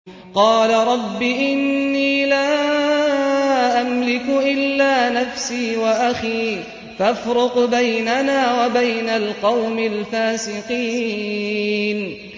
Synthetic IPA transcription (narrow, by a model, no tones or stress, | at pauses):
qɑːlaɾˤɑbːiʔɪnːiːlaː | ʔamlɪkʊʔɪlːaːnafsiːwaʔaxiː | fafɾʊqbajnanaːwabajnalqɑwmɪlfaːsɪqiː | n